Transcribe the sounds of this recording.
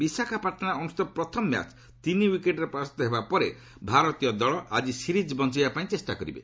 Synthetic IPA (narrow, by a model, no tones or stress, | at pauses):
bisakʰapaɾʈ̪ʰɔnaɔnust̪ɔpɾɔt̪ʰɔmɔmja̰t͡ʃ | t̪iniwikeʈɾepɾasɔt̪ɔɦebapɔɾe | bʱaɾɔt̪ijɔd̪ɔɭɔʔad͡ʒisiɾid͡ʒbɔnt͡ʃibapaĩt͡ʃesʈa̰kɔɾḭbḛ